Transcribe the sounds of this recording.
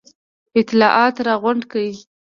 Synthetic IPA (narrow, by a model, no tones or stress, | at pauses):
ɪt̪ɪlɑʔɑt̪ɾɑɣʊɳɖkawi